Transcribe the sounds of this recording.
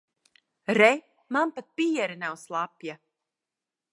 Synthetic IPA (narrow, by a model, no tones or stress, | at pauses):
ɾɛ | manpat̪̚piɛɾɨnawslˠapja